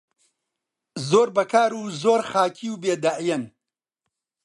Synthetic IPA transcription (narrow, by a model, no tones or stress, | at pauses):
zoːɾbɐkaːɾuːzoːɾxaːkʰiːwbeːd̪aʕijɐn